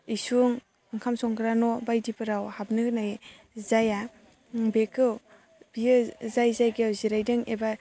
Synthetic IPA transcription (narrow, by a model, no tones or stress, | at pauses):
isuŋ | ɯŋkʰamsɔŋkɾanɔbajdipɯɾawhab̚nɯnaj | zaja | ŋbekɯw | biɯzajzajɡawziɾajdɯŋeba